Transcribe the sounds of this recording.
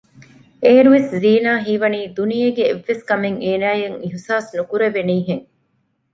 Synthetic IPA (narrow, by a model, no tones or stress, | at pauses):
eːɾuʋesziːnaːɦiːʋɐniːd̪unijeɡeːʋːeskɐmeŋeːnæːjeŋiɦisaːsnukuɾeʋeniːɦeŋ